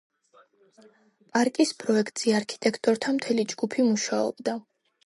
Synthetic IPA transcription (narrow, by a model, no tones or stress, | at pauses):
pʼaɾkʼispʼɾɔɛkʰt̪ʼz̥iaɾkʰi̥t̪ʼɛkʰt̪ʼɔɾt̪ʰamt̪ʰɛlid͡ʒɡ̥upʰimuʃaɔ̰b̥d̪a